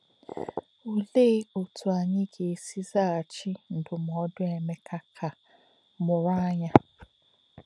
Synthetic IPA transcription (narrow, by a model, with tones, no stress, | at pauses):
o˨le˦o˨tʰʊ˨a˨ɲɪ˦ɡe˨si˦za˦˨a˨t͡ʃi˦n̩˨dʊ˨m˨ɔ˦dʊ˦e˨me˦kʰa˦kʰa˨ | mʊ˨ɾa˦a˦ɲa˦